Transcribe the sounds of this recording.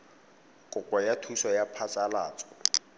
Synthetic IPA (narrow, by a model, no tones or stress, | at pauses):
kʼʊkʼwajatʰusɔjapʰat͡sʼalaːt͡sʼɔ̥